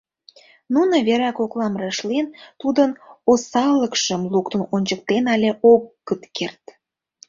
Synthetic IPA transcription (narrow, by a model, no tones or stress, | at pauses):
nunoβeɾɑkoklɑmreʃlent̪ud̪ənosɑləkʃəmlukt̪ənonʲt͡ɕək̚t̪enɑlʲeʔoɣːət̪kert̪